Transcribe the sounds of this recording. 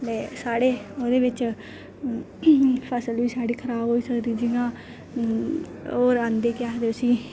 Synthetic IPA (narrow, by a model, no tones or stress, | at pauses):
d̪eːsaːɽeːoːd̪eːʋɪt͡ʃ | pʰəsəlʋiːsaːɽiːkʰəɾaːboːiːsəkd̪iːd͡ʒiɡãː | oːɾãːnd̪eːkɪjaːd̪eːʊsĩː